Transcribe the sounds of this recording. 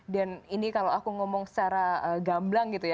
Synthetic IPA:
daninikalawakuŋɔmɔŋsə̥t͡ʃaɾaəɡamblaŋɡit̪uja

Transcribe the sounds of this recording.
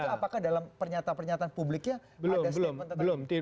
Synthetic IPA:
apakahdalampərɲat̪apərɲat̪aːnpublɪkɲabəlʊdabəlʊmənt̪ətb̪əlʊmt̪i

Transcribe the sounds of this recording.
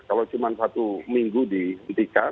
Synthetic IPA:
kalawt͡ʃumansat̪umiŋɡudiənt̪ika

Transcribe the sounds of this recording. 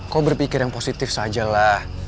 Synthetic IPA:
kaobərpikɪrjaŋposit̪ɪfsad͡ʒalah

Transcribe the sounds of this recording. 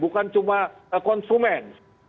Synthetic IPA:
bukant͡ʃumakɔnsumɛns

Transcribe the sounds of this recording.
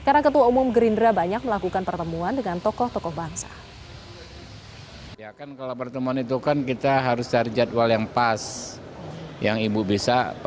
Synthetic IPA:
kaɾənakət̪uaumʊmɡəɾindɾabaɲak̚məlakukanpərt̪əmuandəŋant̪ɔkɔht̪ɔkɔhbaŋsa̰ | iakankalawpərt̪əmuanit̪̬ukankit̪aɦaɾʊst̪ard͡ʒat̪̚waljaŋpas | jaŋibubisa

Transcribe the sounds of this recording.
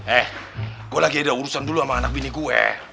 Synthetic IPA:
ɛh | ɡuelaɡiadauɾusanduluamaːnak̚biniɡuɛ̰

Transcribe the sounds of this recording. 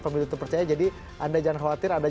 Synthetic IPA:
pəmilut̪əpərt͡ʃajad͡ʒadi | ʔandad͡ʒaŋanxawat̪ɪɾanda

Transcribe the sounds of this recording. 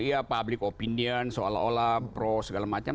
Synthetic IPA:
iapablɪkopiniənsoa̰lao̰lapɾosəɡalamat͡ʃam

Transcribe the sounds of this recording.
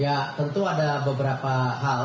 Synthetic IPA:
jat̪ənt̪uadabəbəɾapaɦa

